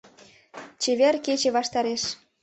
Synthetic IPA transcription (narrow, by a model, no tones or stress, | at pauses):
t͡ɕeβerket͡ɕĕβɑʃt̪ɑɾeʃ